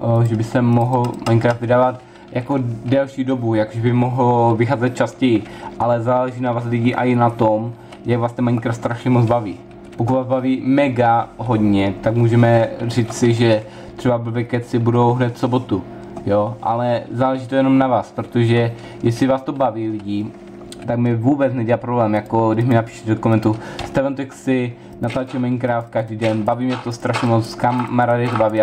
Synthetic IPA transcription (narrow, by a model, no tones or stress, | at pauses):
ʒɛbɪsɛmoɦl̩mʔaɲkɾaːft̪vɪdaːvat̪ | jako̞dɛlʃiːdo̞bujako̥ʒɛbɪmoɦlvɪxaːzɛt̪̚t͡ʃascɛjɪʔalɛzaːlɛʒiːnavaːs̬lɪɟiːʔa̰ɪnat̪om | jaɡvaːst̪ɛmaɲkɾaːftst̪ɾaʃɲɛmod͡zbaviː | pok̬ut̪vaːzbaviːmɛɡaɦo̞dɲɛt̪akmuːʒɛmɛr̝iːt͡ssɪʒɛ | t̪ɛbab̩bɛkɛt͡sɪbudo̞wɦnɛt̪fso̞bo̞t̪u | joʔa̰lɛzaːlɛʒiːt̪ojɛno̞mnavaːspɾot̪oʒɛ | jɛslɪvaːst̪obaviːlɪɟi | t̪aɡmɛvuːbɛt͡snɛɟɛlaːpɾo̞blɛːmjako̞ɡdɪʃmɪnapi̥ːʃɛ̥t̪ɛdokomɛnt̪ust̪ɛvɛnt̪ɛksɪ | nat̪lat͡ʃɛmɛɲkɾaːfkaʒdiːdɛnbaviːmɲɛt̪ost̪ɾaʃɲɛmot͡sskammaɾadɪt̪obaviː